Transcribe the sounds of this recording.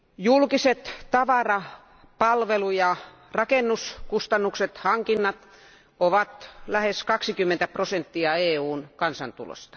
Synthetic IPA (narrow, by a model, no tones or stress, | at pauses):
julkiset̪t̪ɑʋɑrɑ | pɑlʋelujɑ | rɑkenːuskust̪ɑnːukset̪hɑŋkinːɑt̪ | oʋɑt̪læheskɑksikymːent̪æprosent̪ːiɑeːuːnkɑnsɑ̰nt̪ṵlo̰st̪ɑ̥